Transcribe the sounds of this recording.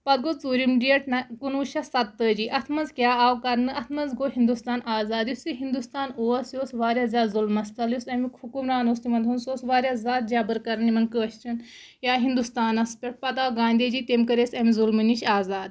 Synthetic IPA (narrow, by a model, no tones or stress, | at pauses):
pɐt̪̚ɡot͡suːɾimɖijeʈnɐkunuːʃɐsɐt̪ːəːd͡ʒiːʔɐt̪ʰmɐzkʲjaːaːwkɐɾnɨʔɐt̪ʰmɐzɡoɦind̪ust̪aːnaːzaːd̪jisiɦind̪ust̪aːnoːɐsjoːsʋaːɾjaːzʲaːt̪zulmɐst̪ɐlusɐmikʰukumɾaːnoːst̪imɐnd̪ʰʱunsjoːsʋaːɾjazʲaːt̪̚d͡ʒaːbɐɾkɐɾnimɐŋkəɐʃt͡ʃɐn | jaːɦind̪ust̪aːnɐspʲeʈ̚pɐt̪aːwɡãːnʲd̪ed͡ʒiːt̪emkɐɾesɐmizulmɨniʃaːzaːd̪̚